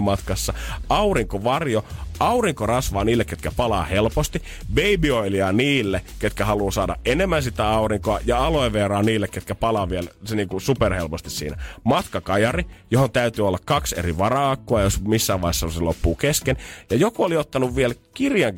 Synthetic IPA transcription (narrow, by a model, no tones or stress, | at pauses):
mɑt̪kɑsːɑɑuriŋkoʋɑrjoɑuriŋkorɑsʋɑːniːlːekːet̪kæpɑlɑ̰ːhelpost̪i | beibioiliɑniːlːeket̪kæhɑluːsɑːdɑ̰ʔʔenemːænsit̪æɑuriŋkoɑjɑɑloiʋerɑːniːlːekːet̪kæpɑlɑːʋielseniːŋkusuperhelpost̪issḭːnæmɑt̪kɑkɑjɑrijohont̪æyt̪yːolːɑkkɑksḛriʋɑrɑːkːoɑjosmisːæːʋɑˑihesːɑosilopːuːkeskenjɑjokuoliot̪ːɑnuʋʋielkirjɑŋ